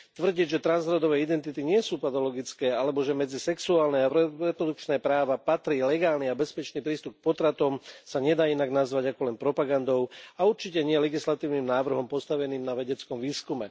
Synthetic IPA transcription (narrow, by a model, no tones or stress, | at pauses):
t̪ʋr̩ɟiɟʒɛt̪ɾanzɦɾɔd̪ɔʋɛːid̪ɛnt̪it̪iɲɪɛsuːpat̪ɔlɔɡit͡skɛːalɛbɔʒɛmɛd͡zisɛksuaːlnɛaɾɛpɾɔd̪uk̚t͡ʃnɛːpɾaːʋapat̪ɾiːlɛɡaːlniabɛspɛt͡ʃniːpɾiːst̪up̚k̚pɔt̪ɾat̪ɔmsaɲɛd̪aːinaɡnazʋaɟakɔlɛnpɾɔpaɡand̪ɔʊauɾt͡ʃicɛɲɪɛlɛɡislat̪iːʊnimnaːʋr̩ɦɔmpɔst̪aʋɛniːmnaʋɛɟɛt͡skɔmʋiːskumɛ